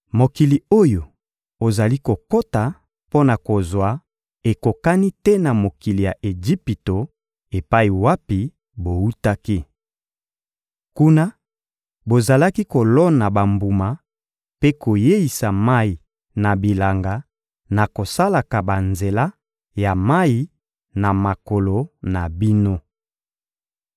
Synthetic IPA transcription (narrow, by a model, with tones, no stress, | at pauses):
mo˨ki˨li˨o˦jo˨ | o˨za˨li˦ko˨ko˦ta˨ | po˦na˨ko˨zwa˨ | e˨ko˨ka˦ni˦tɛ˦na˨mo˨ki˨li˨ja˨ʔe˨d͡ʒi˦pi˨to˨ | e˨pa˦i˨wa˦pi˨ | bo˨u˦ta˦ki˦ | ku˦na˦ | bo˨za˨la˦ki˦ko˨lɔ˦na˨ba˨mbu˨ma˨ | pe˦ko˨je˦i˨sa˨ma˦i˨ | na˨bi˨la˨ŋɡa˨ | na˨ko˨sa˦la˨ka˨ba˨nze˨la˦ | ja˨ma˦i˦ | na˨ma˨ko˨lo˨na˨bi˦no˦